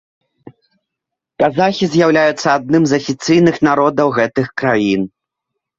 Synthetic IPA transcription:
kazaxʲizʲjawlʲajut̪sːɐad̪nɨmzɐfʲit̪sɨjnɨxnaɾɔd̪ɐwɣɛt̪ɨxkɾajin

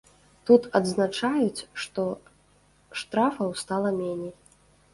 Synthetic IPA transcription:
t̪ut̪ɐd̪znat͡ʂajut͡sʲʂt̪ɔ | ʂt̪ɾafɐwst̪alˠɐmʲenʲej

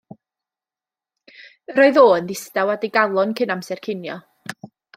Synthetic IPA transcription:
ɾoɨðoːənðɪstawadiɡalˠɔnkʰənamsɛrkʰɪnjɔ̰

